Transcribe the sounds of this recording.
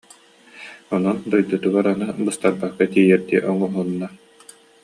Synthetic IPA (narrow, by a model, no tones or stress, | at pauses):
ɔnɔnd̪ujd̪ɯt̪ɯbaɾanabɯst̪aɾbakːat̪iːjɛɾd̪iɛʔɔŋɔɦunːa